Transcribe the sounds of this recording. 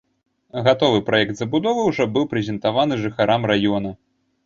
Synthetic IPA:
ɣat̪ɔvɨpɾajɛk̚t̪zɐbud̪ɔvɨwʐɔbɨwpɾɛzʲɛnt̪avan̪ɨʐɨxaɾʔamrajɔn̪ɐ

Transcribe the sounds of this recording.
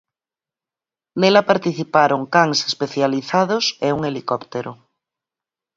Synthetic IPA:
nelapaɾt̪iθipaɾoŋkaŋsespeθjaliθaðoseuŋelikɔpt̪eɾo

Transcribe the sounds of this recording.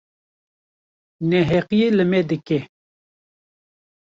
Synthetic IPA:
nɛɦɛqijeləmɛd̪ɨkɛ

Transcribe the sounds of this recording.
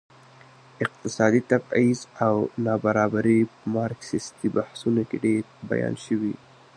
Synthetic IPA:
ɪq̚t̪ɪsɑd̪it̪abizawnɑbaɾɑbaɾimɑɾksɪst̪ibahsunokeɖeɾba̰jɑ̰nʃəwḭ

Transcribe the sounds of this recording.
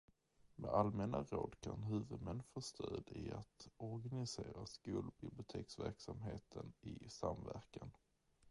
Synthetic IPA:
mɛalmɛnaɾoːd̪kʰanɦʉ̟ːvɵd̪mɛnfoːst̪ʰøːd̪ɪat̪ɔɾɡanɪseːɾaskuːlbɪblɪʊt̪ʰeːksvæɾksamɦeːt̪ʰənɪsamvæɾkan

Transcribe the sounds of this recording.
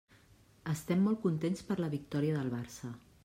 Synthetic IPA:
əst̪ɛmːɔlˠkunt̪enspəɾləβik̚t̪ɔɾiəðəlˠβ̞aɾsə

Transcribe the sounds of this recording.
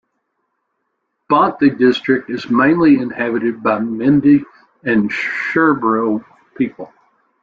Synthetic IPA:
b̥ɑ̃nɨdɪstɹ̥ɨk̚tɨzmẽɪ̃nliɨ̃nhæbɨɾɨd̚baɪmɪ̃ndi | ɨ̃nʃɜ˞bɹoʊ | pʰipl̩ˠ

